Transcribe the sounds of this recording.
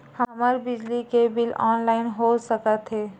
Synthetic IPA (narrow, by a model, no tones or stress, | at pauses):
hɐɐməɾbɪd͡ʒlikebɪlɔ̰ːnlaːɪnɦosəkət̪ʰɦeː